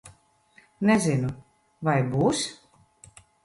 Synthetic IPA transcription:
nɛzinu | vajbuːs

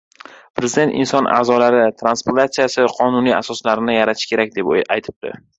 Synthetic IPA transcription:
pʰɾezɪd̪e̞nt̪ɪ̰nsɒnʔa̰ːzɒlaɾɪt̪ʰɾanspoɾt̪at̪sijasɪqʰɒnʊniasɒslaɾɪnɪjaɾat̪ʰɪʃkʲʰe̞ɾakʲd̪epajt̪ʰɪ̥p̚d̪̥ɪ̰

